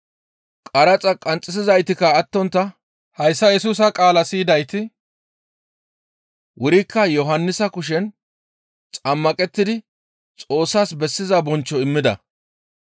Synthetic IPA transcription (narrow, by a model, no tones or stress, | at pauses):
kʼɐɾɐt͡sʼɐkʼɐnt͡sʼːɪs̬ɪzɐjt̪ɪkɐːt̪ːɔnt̪ːɐ | hɐjsːɐjɛsuːs̬ɐkʼaːlɐsiːd̪ɐjt̪ɪ | wʔʊɾɪkːɐjɔɦɐnːɪsɐkʊʃ̬ɛn | t͡sʼɐmːɐkʼɛt̪ːɪd̪ɪ | t͡sʼo̞ːsːaːsbɛsːɪzɐbɔnt͡ʃːɔɪmːɪd̪ɐ̰